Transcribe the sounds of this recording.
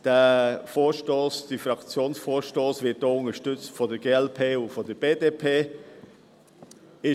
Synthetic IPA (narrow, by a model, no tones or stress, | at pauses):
d̥əfoːɾʃtoːsd̥əfɾɑkt͡sjoːnsfoːɾʃtoːsvɪt̚d̥oːʊnəʃtʏt͡stfɔdəɾɡ̥eːɛlpʰeːʊfɔdəb̥eːdeːpʰeː | ɪ